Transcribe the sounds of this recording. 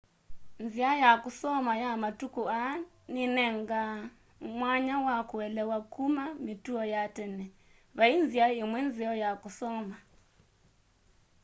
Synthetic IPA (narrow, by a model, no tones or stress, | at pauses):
nziajakusɔmajamatukua | ninɛŋɡa | mwaɲawakuɛlɛwakumamituɔjatɛnɛ | βainziaimwɛnziɔjakusɔma